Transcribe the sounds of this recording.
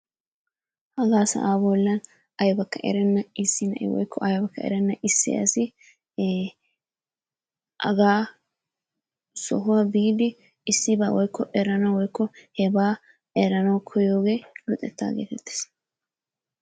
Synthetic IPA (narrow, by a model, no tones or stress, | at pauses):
hɐɡaːsɐ̰ʔaːbɔlːɐn | ɐjbɐkːɐʔɛ̰ɾɛnːɐɪsːɪnɐʔɛ̰wɔ̰jkʰːɔʔɐjbɐkːɐɛ̰ɾɛnːɐʔɪsːɪ̰ɐ̰sɪ | ʔɐ̰ɡaː | sɔ̰ɦʊwɐbiːd̪ɪ | ɪsːɪba̰ːwɔjkːɔʔɛɾɐnɐwwɔjkːɔhɛbaː | ɛɾɐnɐwkʰɔjoːɡe̞ːlʊt̪ʼːɛt̪ːa̰ːɡḛːt̪ɛt̪ːe̥s